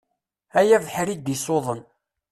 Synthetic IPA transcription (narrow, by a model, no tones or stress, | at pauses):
æjævħɾid̪isoðˤən